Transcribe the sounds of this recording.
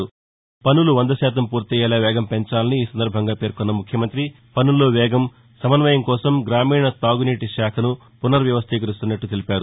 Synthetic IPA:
u | pɐnuluʋɐnd̪ɐʃɛːt̪̬ɐmpuːɾt̪iɛːlɐʋɛːɡɐmpe̞ɲt͡ʃaːlɐniːsɐnd̪ɐɾbʱɐŋɡaːpe̞ːɾkɔnːɐmukʰjɐmɐnt̪ɾi | pɐnulːoːʋɛːɡɐm | sɐmɐnʋɐjɐmkɔːsɐmɡɾaːmiːɳɐt̪aːɡuniːʈiʃaːkʰɐnu | punːɐɾʋjɐʋɐst̪ʰikɡɐɾust̪unːɐʈːut̪elipaːɾu

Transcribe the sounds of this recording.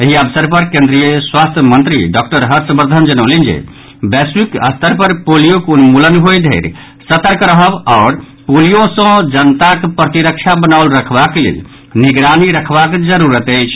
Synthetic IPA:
əɦiəbəsəɾpəɾkẽnd̪ɾijəswast̪ʰjəmə̃nt̪ɾḭɖɔk̚ʈəɾɦəɾsəmbəɾd̪ʱənd͡ʒənəʊlind͡ʒḛ | bɛswikə̰st̪ʰəɾpəɾpolijokunmulənɦojd̪ʱeɾ | sət̪əɾkɾəɦəbaʊɾ | polijosə̃d͡ʒənt̪akpɾət̪iɾəkt͡ʃʰabənaʊlɾəkʰbaklḛl | niɡɾaniɾəkʰbakd͡ʒəɾuɾət̪əjt͡ʃʰ

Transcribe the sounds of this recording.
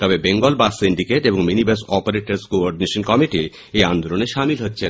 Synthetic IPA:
t̪ɔbebeŋɡolbasːiɳɖikeʈeboŋminibesɔpoɾeʈaɾskoɔɾɖineʃonkɔmiʈi | eand̪oloneʃamilɦotːɕʰe

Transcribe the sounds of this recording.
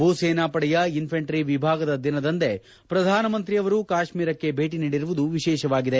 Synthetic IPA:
bʱuːseːnaːpɐɽɛjɐinpʰɐɳʈɾiʋibʱaːɡɐd̪ɐd̪inɐd̪ɐnt̪e̞ | pɾɐd̪ʱaːnɐmɐnt̪ɾijɐʋɐɾukaːʃmiːɾɐkːe̞bʱe̞ːʈiniːɽiɾuʋud̪uʋiʃɛːʃɐʋaːɡid̪e

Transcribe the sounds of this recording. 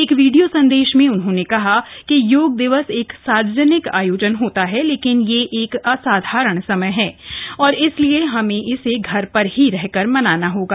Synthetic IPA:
eːkʋiːɖijosɐ̃nd̪eːʃmẽʊnɦõːnekɐɦakijoːɡ̚d̪ɪʋəseːksaːɾd͡ʒənɪka̰ːjoːd͡ʒənɦoːt̪aɦɛleːkɪnjeʔeːkɐsaːd̪ʱaːɾəɽ̃sɐməjɦɛ̃ːɔːɾɪslieɦɐmẽʔɪseɡʱɐɾpɐɾɦiɾɛɦkəɾmɐnaːnaɦoːɡaː

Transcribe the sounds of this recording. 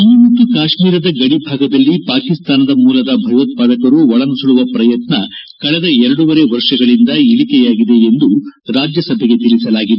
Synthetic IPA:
ɐnumɐt̪ːukaːʂmiːɾɐd̪ɐɡɐɽibʱaːɡɐd̪ɐlːipaːkist̪aːnɐd̪ɐmuːlɐd̪ɐbʱɐjʋɐt̪̚paːd̪ɐkɐɾuʋɔɭɐnusuluʋɐpɾɐjɐt̪nɐ | kɐɭɛd̪ɐɛɾɐɽuʋɐɾe̞ʋɐɾʂɐɡɐɭind̪ɐilikɛjaːɡid̪e̞end̪uɾaːd͡ʒjɐsɐbʱɛɡe̞t̪ilisɐlaːɡid̪

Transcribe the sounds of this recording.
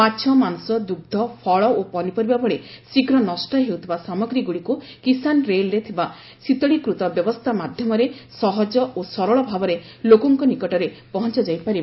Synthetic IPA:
at͡ʃʰɔmanusɔd̪uɡ̚d̪ʱɔpʰɔɭɔopɔnipɔɾibabɔɭesikɾɔnɔsʈɔɦewt̪ʰibasamɔɡɾiɡuɭiku | kisanɾelɾet̪ʰiba | sit̪ɔɽikɾut̪ɔbjɔbɔst̪ʰamad̪ʱjɔmɔɾesɔɦɔd͡ʒɔosɔɾɔɭɔbʱabɔɾe | lokɔŋkɔnikɔʈɔɾepɔɦɔnt͡ʃɔd͡ʒajpaɾi

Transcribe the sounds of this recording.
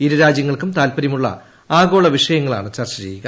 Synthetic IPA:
iɾuɾaːd͡ʑjɐŋːɐɭkumt̪aːlpɐɾɐmuɭːɐ̰ | aːɡo̞ːɭɐʋiʂɐjɐŋːɐɭa̰ːɳɨt͡ɕɐrt͡ɕɐɾḛjːiɣɐ

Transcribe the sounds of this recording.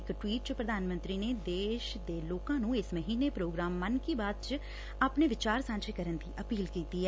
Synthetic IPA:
kʈwiːʈ̚t͡ʃəpɾəd̪ʱaːnmə̃nt̪ɾiːneːd̪eːʃd̪eːloːkãːnũːɪsməɦiːnepɾoːɡɾaːmːənkiːbaːd̪̚t͡ʃ | aːpneːʋɪt͡ʃaːɾsãːnt͡ʃɪkəɾənd̪iːʔəpiːlkiːt̪iɛ

